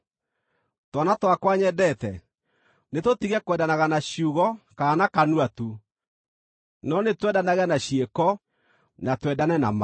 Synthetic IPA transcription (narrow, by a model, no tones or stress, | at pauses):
tɔnatwakwaɲɛdɛtɛ̰ | netotiɣɛkwɛdanaɣanaɕuɣɔkanakanuatu | nɔnetwɛdanaɣanaɕiekɔ | natwɛdanɛna̰ma